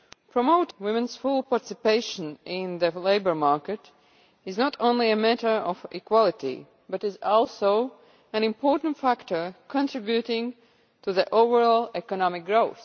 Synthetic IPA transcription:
pʰɹɔmoʊtwɪ̃mɨ̃nsfʊlˠpɑɹtɪsɪpeɪʃə̃nɪ̃nðɨleɪbə˞mɑɹkɨt | ɪznɔtõʊ̃nliɨmætə˞ʔɔfɪkwɔlˠɪtḭ | bʌɾɪzɔlˠsoʊ | æ̃nɪ̃mpʰɔɹtn̩tfæktʰə˞kʰɔ̃ntʰɹ̥ɪbjutɪ̃ŋ | tuðiʔoʊvəɹɔlˠɛkənɑmɪk̚ɡɹoʊθ

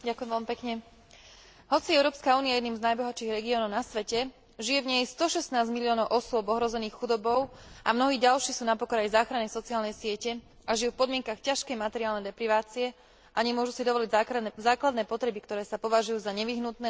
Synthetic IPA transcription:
ɟakujɛmʋɛlmipɛkɲɛ | ɦɔt͡siɛʊɾɔːpskauːnijajɛd̪niːmznajbɔɦat͡ʃiːɣɾɛɡiɔːnɔʊnasʋɛcɛ | ʒijɛvɲɛjst̪ɔʃɛsnaːzmiliɔːnɔʊʔɔsʊɔbɔɦɾɔzɛniːxxud̪ɔbɔʊʔamnɔɦiːɟalʃiːxsuːnapɔkɔɾajzaːxɾanɛjsɔt͡siaːlnɛjsɪɛcɛ | aʒijuːfpɔd̪mɪɛŋkaxcaʃkɛjmat̪ɛɾiaːlnɛjd̪ɛpɾiʋaːt͡siɛ | ʔaɲɛmʊɔʒusid̪ɔʋɔliɟzaːklad̪nɛːpɔt̪ɾɛbikt̪ɔɾɛːsapɔʋaʒujuːzaɲɛʋiɦnut̪nɛː

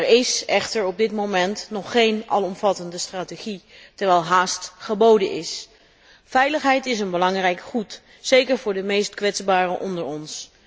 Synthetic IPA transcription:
ɹɪsɛχtəɹɔb̚dɪtmomɛntnɔχːejnɑ̰lˠɔmvɑtəndəstraːteχitɛɹʋɛjlˠɦaːstχəbowdənʔɪs | fɛjləχɦɛjtɪs̬ənbəlɑŋrɛjkχut | sejkəɹvʊːɹdəmejstkʋɛtzbaːrəʔɔndəɹɔns

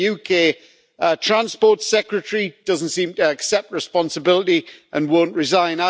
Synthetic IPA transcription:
jʉːkʰeː | tʰɹ̥ãnspɔːˑtsɛkɹətəɹid̥ʌzn̩tsĩmtəːksɛp̚t̚ɹɪspɒ̃nsəbɪlətiʔə̃nwõʊ̃nʔɹɪzãɪ̃na

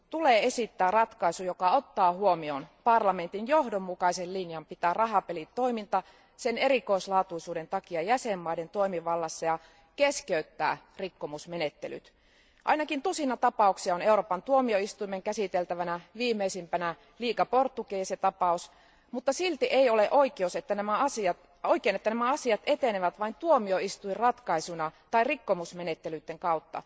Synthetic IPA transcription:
t̪uleːe̞sit̪ːæːrɑt̪kɑisujokɑot̪ːɑːhuomionpɑrlɑme̞nt̪injohdomːukɑisellinjɑmpit̪æːrɑɦɑpelit̪t̪ːo̞imint̪ɑ | sene̞ɾiko̞islɑːt̪uisuːde̞nt̪ɑkiɑjæsemːɑident̪oimiʋɑlːɑsːɑjɑ | keskeyt̪ːæ̰ː | rikːomusmenet̪ːely̰t̪ | ʔɑ̰inɑkint̪usinɑt̪ɑpɑˑuksiɑoneuɾoːpɑnt̪uomioist̪uimeŋkæsit̪elt̪æʋænæʋiːmːeisimpænæ | liːkɑport̪ːukejɑset̪ɑpɑus | mut̪ːɑsilt̪iʔeioleʔoikeuset̪ːænæmæɑsiɑt̪ | oikˑeːnet̪ːænæmæɑsiɑt̪ʔet̪eneʋæt̪ʋɑint̪uomioist̪uirrɑt̪kɑisunɑt̪ɑirikːomusmenet̪ːelyt̪ːeŋkɑut̪ːɑ̰

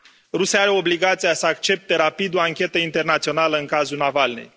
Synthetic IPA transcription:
rusiaaɾe̞o̞bliɡat̪sijasəakt͡ʃe̞p̚t̪e̞ɾapid̪o̞aŋkʲe̞t̪əint̪e̞rnat̪sio̞naləɨŋkazulnavalnḛj

